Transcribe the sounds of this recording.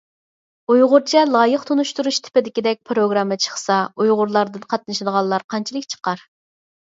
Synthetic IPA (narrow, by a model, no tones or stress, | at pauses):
ujʁʊɾt͡ʃʰɛlˠɑːjəqt̪ʰonuʃt̪uɾuʃt̪ʰɪ̥pɪd̪ɪkʲid̪ɛk̚ʲpʰɾoɡɾɑmːət͡ʃʰə̥χsɑujʁʊɾlˠɑɾd̪ɨnqʰɑt̪̚nɨʃid̪əʁɑlˠːɑɾqʰɑnt͡ʃʰilˠɨkʲt͡ʃʰə̥qɑɾ